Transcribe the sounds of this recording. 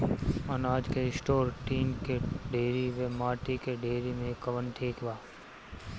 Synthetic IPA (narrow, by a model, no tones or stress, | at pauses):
ɐnaːd͡ʒkeɪsʈoːɾʈiːnkeɖeːɾiʋemaːʈikeɖeːɾimẽkəʋənʈʰeːkbaː